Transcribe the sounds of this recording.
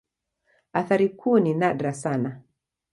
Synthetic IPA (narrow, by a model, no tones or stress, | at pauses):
aθaɾikʰuːninaɗɾasana